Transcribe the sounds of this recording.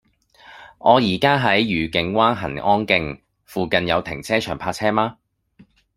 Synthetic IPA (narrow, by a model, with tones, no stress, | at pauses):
ʔɔː˨˧jiː˨˩kaː˥ɦɐ˨˥jɥyː˨˩kɪ˨˧ŋwaː˥nɦɐ̰˨˩nɔː˥nkɪ˧ŋ | fuː˨˧kɐ˨njɐ˨˧wt̪ʰɪ̰˨˩ŋt͡sʰɛː˥t͡ʃʰœ̰ː˨˩ŋpʰaː˧k̚t͡sʰɛː˥maː˥